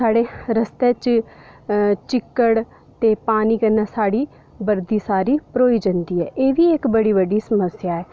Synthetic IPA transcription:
saːɽeːɾəst̪eːt͡ʃ | t͡ʃɪkːəɽ | t̪eːpaːniːkənaːsaːɽiː | bəɾd̪iːsaːɾiːpɾoːiːd͡ʒənd̪iːɛ̰ːʔeːʋiːɪkbəɽiːβəɖiːsəməsjaːɛː

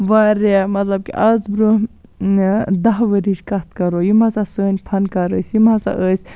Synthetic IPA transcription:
ʋaɾemɐt̪lɐb̚kḭʔɐzbɾu | d̪ɐɦʋəɾiʈkɐt̪kɐɾojimɐsasəːnʲpʰɐnkɐɾəːsjimɐsa̰ʔəsʲ

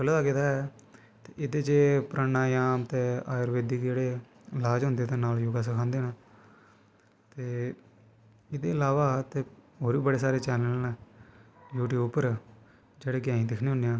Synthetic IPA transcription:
kəlːd̪aːkɪt̪aːɛ | t̪eʔɪd̪eːt͡ʃeːpɾaːnaːjaːmt̪eːaːjəɾʋeːd̪iːkd͡ʒeːɽeː | ɪlaːd͡ʒɦʊ̃nd̪eːt̪ẽːnaːljoːɡaːs̬əkʰãːnd̪eːnaː | t̪eː | ɪd̪eːɪlaːʋaːt̪eːɦoːɾiːbəɽeːs̬aːɾeːt͡ʃɛːləlnː | juːʈiːʊpəɾ | d͡ʒeːɽeːɡɪjãːĩːd̪ɪkʰnẽːɦʊ̃nd̪eãː

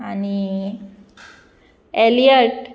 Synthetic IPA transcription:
ani | elijəɾʈ

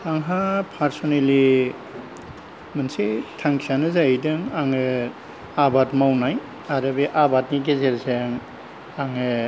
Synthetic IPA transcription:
aŋɦapʰaɾsɔneli | mɯnsetʰaŋkʰanɯzajdɯŋaŋɯ | abatmawnaj | aɾɯbeʔabatniɡezeɾzeŋ | aŋɯ

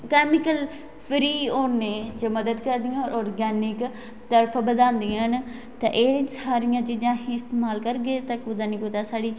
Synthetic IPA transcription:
kɛːmɪkəl | pʰɾiːoːneːd͡ʒeːməd̪əd̪kəɾd̪ɪjãːɾɔːɾɡɛːnɪk | t̪əɾpʰːbəd̪ãːnd̪iãən | t̪ã̰ːʔeːsaːɾɪjãːd͡ʒɪd͡ʒãːɦiːɪst̪eːmaːlkəɾɡeːt̪əkʊd̪aːniːkud̪aːsaːɽiː

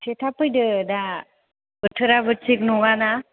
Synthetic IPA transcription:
sʰetʰapɯjdɯda | bɯtʰɯɾabɯt͡ʃik̚nɔŋana

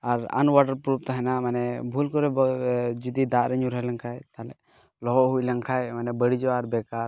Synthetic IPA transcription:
aɾa̰nwaʈəɾpɾup̚t̪aɦɛnamanɛbʱulkɔɾɛd͡ʒud̪id̪aʔɾɛɲuɾɦɛlɛŋkʰajt̪alɛ̰ʔ | lɔɦɔʔɦujlɛŋkʰajmanɛbəɽid͡ʒɔwaɾbɛkaɾ

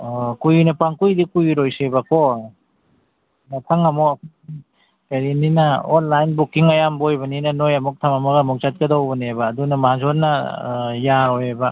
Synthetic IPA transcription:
kujnɐpaŋkujdikujɾojsebako | nɐtʰɐŋɐmɔkʰ | kɐɾininɐonlajnbukiŋɐjambojbɐninɐnojɐmɔk̚tʰamɐmɐɡɐmɔk̚t͡ʃat̚kɐdawbɐnebɐːdunɐmazonːɐjaɾojebɐ

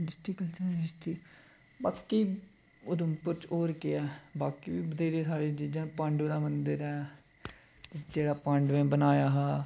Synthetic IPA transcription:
dɪst̪iːkəlsaːɪst̪iː | baːkiː | ʊd̪ʊmpʊɾt͡ʃoːɾkɪɛːbaːkiːʋiːbəd̪eːɾeːsaːɽeːd͡ʒeːd͡ʒãːpə̃ɳɖod̪aːmənd̪əɾɛː | t̪ed͡ʒeːɽaːpə̃ɳɖmẽːbənaːjaːɦɛː

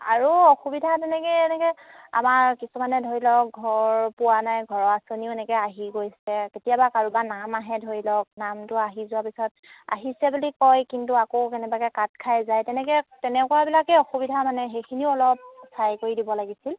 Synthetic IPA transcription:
a̰ɹuɔxubidʱatɛnɛkɛɛnɛkɛa̰maɹkisumanɛdʱoɹilɔk̚ɡʱɔɹpʊwanajɡʱɔɹɔasoniʊɛnɛkɛaɦiɡojsɛketijabakaɹubanamaɦɛdʱoɹilɔk̚namtʊaɦizʊwapisɔt̚ | a̰ɦisɛbulikɔjkintuakokɛnɛbakɛkat̚kʰajzajtɛnɛkɛtɛnɛkɔɹabilakɛɔxubidʱamanɛxejkʰiniʊɔlɔp̚sajkoɹidibɔlaɡisil

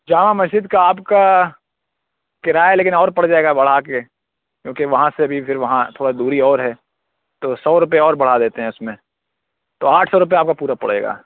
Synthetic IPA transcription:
d͡ʒaːmamɐsd͡ʒɪd̪kaaːpka | kɪɾaːɛleːkɪ̃nɔːɾpɐɽd͡ʒaːeːɡabɐɽ̤ake | kjõːkiʋɐɦãseɐbʱipʰɪɾʋɐɦãt̪ʰoːɽad̪uːɾiɔːɾɦɛː | t̪oːsɔːɾʊp̬eɔːɾbɐɽ̤ad̪eːt̪eɦɛ̃ʊsmẽ | t̪oːaːʈʰsɔːɾʊp̬eaːp̚kapuːɾapɐ̰ɽ̤ḛːɡa̰ː

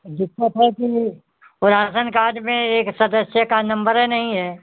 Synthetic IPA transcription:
d̪ɪkːət̪ɦɛki | ʊɾaːsənkaːɖmẽeːksɐd̪əsjəkanɐ̃mbəɾɦɛnɐɦĩɦɛː

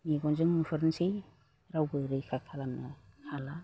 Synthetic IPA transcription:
miɡɔnzɯŋmupʰɯɾnsij | ɾawbɯɾɯjkʰakʰalamnakʰala

